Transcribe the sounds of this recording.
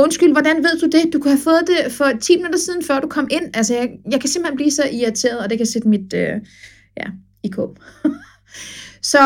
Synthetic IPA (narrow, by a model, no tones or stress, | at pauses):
ɔ̽nsɡ̥yl̰ʋɒd̥ænʋe̝ð̞̰ˠd̥ud̥e̝d̥ukʰuhæfɔ̽ːð̩ˠd̥e̝fɒ̽t͡sʰḭːmenud̥ˠɐsiːðˠn̩fɶɐ̰d̥ukʰɒ̽m̰ʔe̝n̰ælsəjɑ̈ɪjɑ̈ɪkʰæse̝m̥hen̩b̥liːsɒ̽ʔiɐt͡sʰe̝̰ːɐðˠɒd̥e̝kʰæse̝d̥əmid̥ø | jæ | ikʰo̰ː | sɒ̽